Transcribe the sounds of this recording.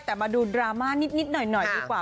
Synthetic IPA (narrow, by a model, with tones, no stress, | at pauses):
t̪ɛː˨˩maː˧duː˧dɾaː˧maː˥˩ni˦˥t̪̚ni˦˥t̪̚nɔ˨˩jnɔ˨˩jdiː˧kwaː˨˩